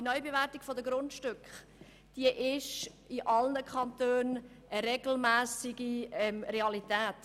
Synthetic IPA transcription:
inœʏbevæːɾtiɡ̥fɔdəɡɾʊntʃtʏkχ | d̥iəʔɪʃ | ɪʔɑlnəkʰχɑntøːn | ʔəɾeɡ̥l̩mæːsiɡiɛmɾeɑlitæːt

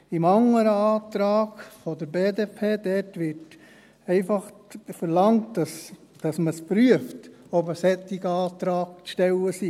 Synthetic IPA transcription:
imɑŋəɾəɑːtɾɑːɡfodəɾbeːdeːpʰeːd̥ɛtʋɪɾt | ɛɪfɑχfəɾlɑŋtɑs | d̥ɑsməspɾyəftɔbəsɛtːɪɡəɑːt̪ɾɑːk̚t͡sʃtɛləsi

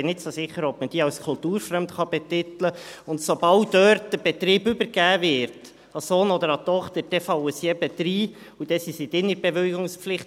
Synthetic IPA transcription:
ɪnɪtsosɪχːəɾɔbməd̥iːɑwskʰʊltuːɾfɾœmtχɑb̥ɛt̪ɪt̪ləʊntsobɑldœɾtd̥əb̥ɛt̪ɾiːbʏbəɾɡ̥æːvɪɾt | ɑsoːnɔd̪əɾɑt̪ɔχt̪əɾd̥ɛfɑwəsiɛbɛtɾiː | ud̥ɛsisit̪ɪnːəɾb̥ɛʋeɡʊŋspflɪχt

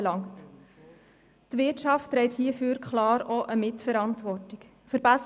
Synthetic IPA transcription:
lɑŋt | tʋɪtʃɑftːɾɛɪthiəføɾkʰχlɑːɾɔʔəmɪtfəɾɑntʋɔrtɪk | fəɾbɛs

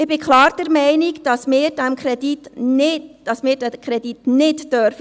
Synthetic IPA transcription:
ɪb̥ɪkʰχlɑːɾd̥ɛɾmɛɪnikd̥ɑsmɪːɾd̥ɛmkɾɛd̥itnɪd̥ɑsmɪːɾdɛkʰɾɛditnɪtːœɾfə

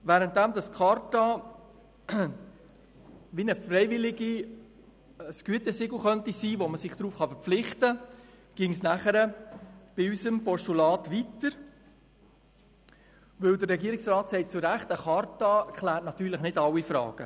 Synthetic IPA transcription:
ʋæːɾənt̚dæmdɑskʰɑɾtɑ | ʋinəfɾɛɪvɪlɪɡi | əsɡ̥yətəsɪɡl̩χœntisiːʋoməsɪχd̥ɾuːfχɑfəɾp͡flɪχtə | ɡ̥ɪŋsnæχəɾəb̥ɪysəmpɔʃtulɑːtʋitəɾ | ʋɵwdərːɛɡiəɾɪksrɑːtsɛɪt̚t͡sʊɾæχtəχɑɾtɑɛkʰχlæːɾtnɑt̪yːɾləχnɪdɑwːifɾɑ̰ːɡ̥ə

